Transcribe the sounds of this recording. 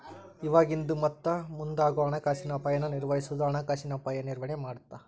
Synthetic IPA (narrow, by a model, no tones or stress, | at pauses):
iʋaːɡind̪umɐt̪ːɐmund̪aːɡuɐɳɐkaːʃinɐpɐjɐnːuniɾʋɐjisud̪aːɳɐkaːʃinɐpɐjɐniɾʋɐɳemaːɽt̪ːa